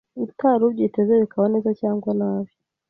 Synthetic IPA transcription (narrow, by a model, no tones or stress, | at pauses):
utʰaɾuβjitezeβikʰaβanezat͡ʃaːŋɡwanaβjo